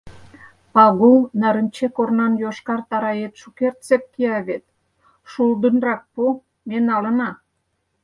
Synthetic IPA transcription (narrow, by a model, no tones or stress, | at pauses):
pɑɣulnɑɾəmt͡ɕekornɑnjoʃkɑrt̪ɑɾɑjet̪ʃukert̪t͡sep̚kiɑβet̪̚ | ʃuld̪ənrɑk̚po | menɑlənɑ